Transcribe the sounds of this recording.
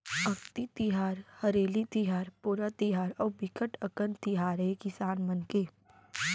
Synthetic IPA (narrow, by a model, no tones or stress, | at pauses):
ɐkt̪it̪ɪɦaːɾhəɾeːlit̪iɦaːɾpuːɾat̪ɪɦaːɾɔːɾbɪkəʈəkənt̪ɪɦaːɾɦekɪsaːnmənkeː